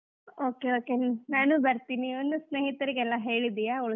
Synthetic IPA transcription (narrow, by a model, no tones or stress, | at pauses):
oːkeoːkenaːnubɐɾt̪inionːusneːɦit̪ɐɾiɡɛlːaɦe̞ːɭid̪ijaːoɭ